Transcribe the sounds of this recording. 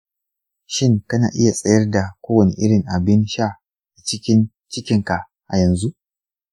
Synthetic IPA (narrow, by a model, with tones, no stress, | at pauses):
ʃɪ˦ŋkɐ˦naː˨ʔɪ˦ja˨sʼɐ˦jɐ˦rda˨kʷoː˦wɐ˨nḭ˨ʔɪ˦ɽɪ˨ŋʔa˨bɪ˦nʃa˦˨ | a˨t͡ʃɪ˦kʲɪ˦n | t͡ʃɪ˦kʲɪ˨˦ŋka˨ʔ | ʔa˨jɐ˨nzu˦ʔ